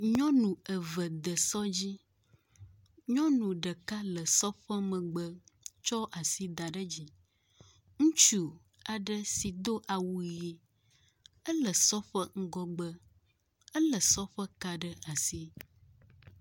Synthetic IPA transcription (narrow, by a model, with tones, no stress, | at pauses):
ɲɔ̃˦nũ˨ə˨və˨d̪ə˨sɔ˦d͡ʑi˦ | ɲɔ̃˦nũ˨ɖə˨ka˦lə˨sɔ˦ɸə˦mə̃˨ɡ͡bə˦t͡ʃɔ˦ʔa˨si˦d̪a˨ɖə˦d͡ʑi˦ | ŋũ˦t͡ʃu˦ | a˨ɖə˦si˨d̪o˦ʔa˨wu˦je˦ | ə˦lə˨sɔ˦ɸə˦ŋ̩˦ɡɔ˦ɡ͡bə˦ | ə˦lə˨sɔ˦ɸə˦ka˦ɖə˦a˨si˦